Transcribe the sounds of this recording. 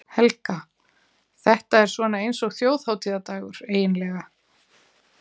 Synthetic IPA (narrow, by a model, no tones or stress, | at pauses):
hɛlka | θɛht̪aɛɾ̥svɔːnaejnsɔɣθjoːwð̥hawt̪ʰiːðat̪aːɣʏɾ̥eːjɪnlɛɣa